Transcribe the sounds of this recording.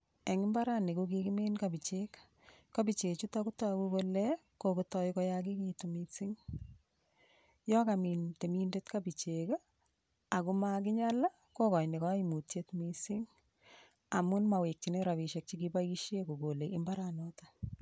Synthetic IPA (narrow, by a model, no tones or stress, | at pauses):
eŋɪmbaɾanekukikɪmenkabit͡ʃek | kabit͡ʃet͡ʃutakutakubolɛ | kokutɔjkɔjakikitumisɪŋ | jɔkamintemindetkabit͡ʃeka | akʊmak̬ɪɲala | kokɔjnekaimutjetmisɪŋ | amʊnmawek̚t͡ʃineɾaβiʃɛk̚t͡ʃikibajiʃjekuɡoleʔɪmbaɾanɔta